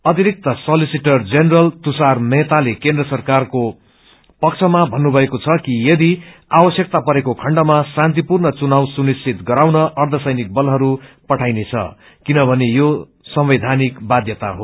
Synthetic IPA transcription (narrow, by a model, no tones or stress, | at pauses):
ʌt̪iɾik̚t̪ʌsʌlisiʈʌrd͡zenrʌlt̪usarmet̪alekend̪rʌsʌrkarko | pʌk̚t͡sʰʌmabʱʌnːubʱʌekot͡sʰʌkijʌd̪iawʌsjʌk̚t̪apʌɾekokʰʌɳɖʌmasant̪̬ipurnʌt͡sunawsunisʰit̪ɡʌɾawnʌʔʌrd̪ʱʌsʌjnik̚bʌlɦʌɾupʌʈʰajnet͡sʰʌ̰ | kinʌbʱʌnejo | sʌmbed̪ʱanikbad̪jʌt̪a̰ɦo